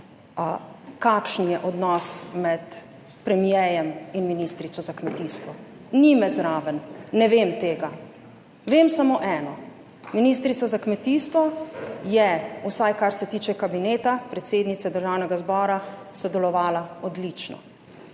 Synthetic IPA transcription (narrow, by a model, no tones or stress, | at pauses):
kakʃnjɛʔɔd̪nɔsmɛt̪ | pɾɛmjɛjɛminminist̪ɾit̪sɔzakmɛt̪iːst̪ʋɔ | nimɛzɾaːʋənːɛʋemt̪eːɡa | ʋemsamoʔɛːnɔ | miniːst̪ɾit̪sazakmɛt̪iːst̪ʋɔjɛusajkaɾsɛt̪iːt͡ʃɛkabineːt̪apɾɛt̪seːd̪nit̪sɛd̪əɾʒaːwnɛɡazbɔːɾasɔd̪ɛlɔʋaːlaɔd̪lit͡ʃnɔ̰